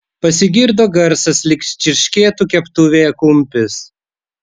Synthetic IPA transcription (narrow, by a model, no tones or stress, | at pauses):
pɐsʲɪɡʲɪɾd̪oːɡɐɾsɐslʲɪkʃʲt͡ʃʲɪɾʲʃʲkʲeːt̪uːkʲɛpt̪ʊʋʲeːɛkʊmʲpʲɪs